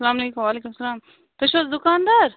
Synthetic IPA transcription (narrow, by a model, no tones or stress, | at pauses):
sɐlaːmɐleːkumʋaːleːkumsɐlaːm | t̪ɐʃɐzd̪ʊkaːnd̪aɾ